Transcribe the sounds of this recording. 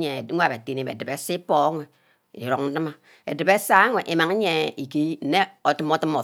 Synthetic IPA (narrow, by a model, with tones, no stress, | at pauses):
ɲe˨˦a˦˨be˨te˨˦ni˦˨mḛ˨dɨ˨be˦si˦po˦ŋʷe˨ | ḭ˨ɾo˨k̚n̩˦dɨ˦ma˦ | ḛ˨dɨ˨be˦sa˦ŋʷe˨ʔi˨ma˨ŋe˦ɲe˨i˨ki˦n̩˨˦ne˦o˨tɨ˦mo˦tɨ˦mo˨